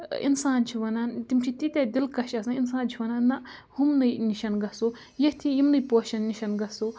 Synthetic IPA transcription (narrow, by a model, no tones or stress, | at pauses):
ḭnsaːnt͡ʃʰiʋɐnant̪imt͡ʃʰit̪it̪ʲed̪ilkɐʃɐsains̬aːnt͡ʃʰiʋɐnaːnnːɐhumnɐjniʃɐnɡɐso | jet̪ʰijimnɨjpoːʃɐnːiʃɐnɡɐsoː